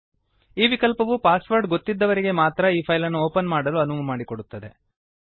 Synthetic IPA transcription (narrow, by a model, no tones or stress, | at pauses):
iːʋikɐlpɐʋupaːsʋɐɾɖɡot̪ːid̪ːɐʋɐɾiɡe̞maːt̪ɾɐiːpʰɐjlɐnːuoːpɐnmaːɽɐluɐnumɐmaːɽikoɽut̪ːɐd̪e̞